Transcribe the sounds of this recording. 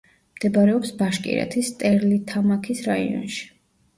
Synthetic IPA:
md̪̥ɛbɾɛɔpsbaʃkʼḭɾɛ̰t̪ʰist̪ʼɛɾlit̪ʰamakʰisɾaḭɔ̰nʃi̥

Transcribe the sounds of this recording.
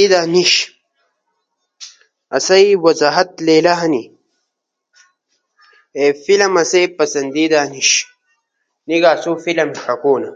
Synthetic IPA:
id̪aːniɕ | ɐ̰sɐiwɐzaːɦɐt̪leːlaɦɐni | efilɐmɐsepɐsɐnd̪id̪aːniɕ | niɡaːsofilɐmkɐkoːnɐ

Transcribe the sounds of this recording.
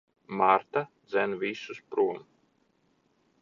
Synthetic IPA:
maɾt̪ad̪zɛnvisuspɾuɔm

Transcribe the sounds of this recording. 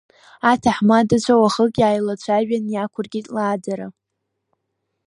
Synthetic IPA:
atʰaħmadat͡ɕʷʰawaχəkʼjaːjlat͡ɕʷʰaɥᶣanjakʷʰʊrɡʲitʼlaːd͡zaɾa

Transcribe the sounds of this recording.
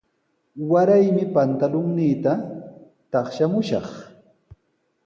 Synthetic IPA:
waɾajmɪpant̪alʊŋniːt̪a | t̪ɑχʃamʊʃɑ̰χ

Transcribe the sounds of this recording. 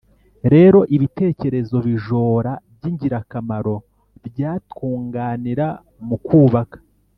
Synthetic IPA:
ɾe̞ːɾo̞ʔiβite̞ːce̞ɾe̞zo̞βiʒo̞ːɾabɟiɲɟiɾakamaɾo̞ | bɟaːtkuːŋɡaːniɾa | mukuːβakḁ

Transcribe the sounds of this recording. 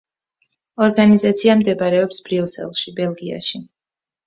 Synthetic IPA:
ɔɾɡanizat̪sʰiamd̪ɛbaɾɛɔpsb̥ɾivsɛ̰lˠʃibɛlˠɡia̰ʃi

